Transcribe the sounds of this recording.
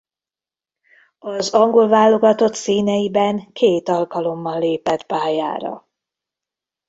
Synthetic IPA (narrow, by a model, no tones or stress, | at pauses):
ɒzɒŋɡo̞lvaːlːo̞ɡɒt̪o̞t̪siːnɛjibɛŋkʰeːt̪ɒlkɒlo̞mːɒnleːpɛt̪paːja̰ːɾɒ̰